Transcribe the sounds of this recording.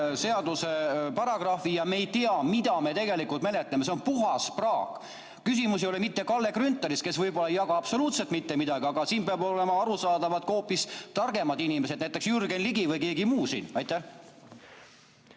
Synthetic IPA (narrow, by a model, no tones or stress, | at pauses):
se̞ɑd̪use̞pɑɾɑɡ̥rɑfijɑmeːjt̪iɑmid̪̥ɑme̞t̪e̞ɡe̞likult̪me̞le̞t̪lːˑeme̞s̬e̞onpuɦɑsprɑːɡ̥ | kːysimusijolemit̪ːe̞kɑlːe̞krynt̪ˑːeɾiske̞svɤjb̥olːɑejɑɡɑɑpso̞luːt̪selt̪mit̪ːe̞mid̪ɑɡ̥iɑɡɑsiːnpeɑbo̞le̞mɑɑɾusɑːd̪ɑvɑd̪̥ko̞ːpːˑist̪ɑrɡ̥e̞mɑd̪inime̞sed̪næjt̪ːˑe̞ksjyrɡenliɡ̥ivɯjke̞ːɡimuːsḭnɑjt̪ːæh